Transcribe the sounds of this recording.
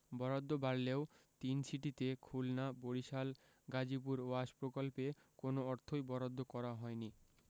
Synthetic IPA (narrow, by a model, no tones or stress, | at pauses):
bɔɾod̪ːobaɽleot̪insʰiʈit̪ekʰulnaboɽiʃal | ɡad͡ʑip̬uɾoaʃpɾokolpekonoɔɾt̪ʰojbɔɾod̪ʱːokɔɾaɦɔeni